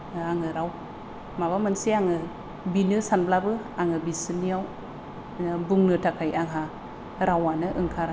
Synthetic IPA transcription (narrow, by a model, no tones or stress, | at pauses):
aŋɯɾaw | maβamansiaŋɯ | binɯsanblabɯ | aŋɯbisɯniaw | buŋnɯtʰakʰajaŋɦa | ɾawanɯʔɯŋkʰaɾa